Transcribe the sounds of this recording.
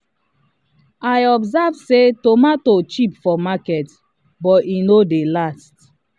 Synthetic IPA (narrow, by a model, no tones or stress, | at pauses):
ajɔbzavsetomatot͡ʃipfɔmakɛt | bɔtinodelast̚